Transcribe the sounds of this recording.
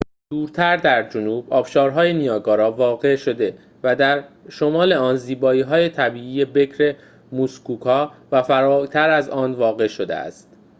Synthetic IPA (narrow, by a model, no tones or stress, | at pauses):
d̪̥uːɾt̪ʰæɾd̪æɾd͡ʒonuːb̥ɒːbʃɒːɾɦɒːjenijɒːɡɒːɾɒːvɒːɣe̞ʃo̞d̪e̞ | væd̪æɾʃo̞mɒːle̞ɒːnziːbɒːiːɦɒːje̞t̪ʰæbiːiːje̞be̞cʰɾe̞ | muskuːkʰɒːvæfæɾɒːt̪ʰæɾæzɒːnvɒːɣe̞ʃo̞d̪ḛæ̰st̪